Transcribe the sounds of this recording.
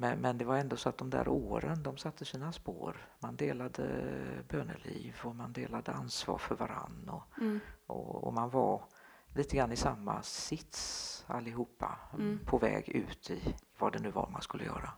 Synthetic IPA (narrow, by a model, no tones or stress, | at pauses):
mɛnmɛnd̪ɛvaɾɛnd̪osɔat̪̚d̪ɔmd̪æ̰ːɾoːɾənd̪ɔmsat̪ʰːəsiːnaspoːɾmand̪eːlad̪əbøːɳəliːvɔmand̪eːlad̪əansvɑːɾfœɾvaɾanːɔʔɔɔmanvaɾ | liːt̪əɡɾanːɪsamːasɪt̪salːɪɦuːpːapʰɔvɛːɡʉ̟ːt̪ʰɪvadɛnʉ̟ːvaɾmanskɵlːəjœːɾa